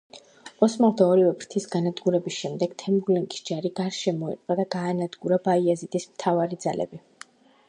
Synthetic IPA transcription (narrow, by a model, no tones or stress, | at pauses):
ɔsmalt̪ʰaɔɾivɛbɾt̪ʰisɡanad̪ɡuɾɛbisʃɛmd̪ɛɡ̥t̪ʰɛmbulɛŋkʼi̥sd͡ʒaɾiɡaɾʃɛmɔḭt̪ʼqʼad̪aɡaːnad̪ɡuɾabaiazit̪ʼismt̪ʰavaɾid̪zalɛ̰bi